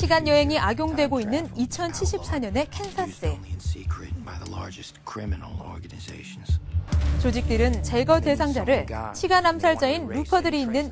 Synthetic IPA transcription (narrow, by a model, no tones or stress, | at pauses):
ɕʰiɡanjʌɦe̞ŋiʔaɡjoŋdwe̞ɡoinːɯnit͡ɕʰʌnt͡ɕʰiɭɕ͈ʰip̚s͈aɲʌne̞kʰe̞nsʰas͈ɯnsikʰɹɨt̚b̥aɪðəlɑ̰ɹd͡ʒɨstkʰɹ̥ɪmɨnl̩ˠɔ̰ɹɡɨnɨzḛɪʃn̩z̥t͡ɕod͡ʑik̚t͈ɯɾɯnt͡ɕeɡʌde̞sʰaŋd͡ʑaɾɯɭɕʰiɡanamsʰaɭt͡ɕ͈ainːupʰʌdɯɾiinːɯn